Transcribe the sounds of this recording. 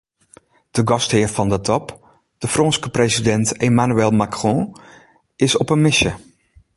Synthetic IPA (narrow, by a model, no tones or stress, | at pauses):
d̥əɡɔsthɪːərfɔndətʰɔp | d̥əfrɔ̃nskəpresidɛntemanuɛlˠmakrɔ̃ | ɪsɔpənmɪsjə